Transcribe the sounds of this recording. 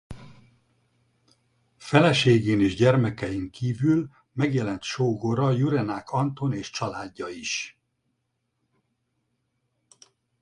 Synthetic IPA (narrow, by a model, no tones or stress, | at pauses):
fɛlɛʃeːɡeːneːʒɟɛrmɛkɛjiŋkiːvyl | mɛɡjɛlɛnt̪ʃoːɡoɾɒjuɾɛnaːkʰɒnt̪o̞neːʃt͡ʃɒlaːɟːɒiʃ